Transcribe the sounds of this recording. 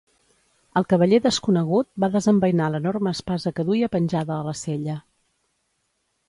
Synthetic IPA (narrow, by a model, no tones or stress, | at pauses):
əlˠkəβəʎeðəskunəɣut̪̚baðəzəmbəjnalənorməːspazəkəðuiəpənʲʒaðəːləseʎə